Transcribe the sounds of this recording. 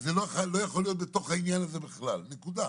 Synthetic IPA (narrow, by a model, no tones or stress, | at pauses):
zeloalo̞jaχolːijo̞t̪̚bet̪o̞χhainjanazebiχlalne̞kud̪a